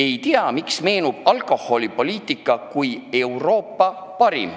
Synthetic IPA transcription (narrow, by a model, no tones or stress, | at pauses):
e̞jt̪iɑmiksme̞ːnub̥ɑlko̞ho̞lʲipo̞liːt̪ˑikːˑɑkuje̞wro̞ːpːˑɑ | pɑɾḭm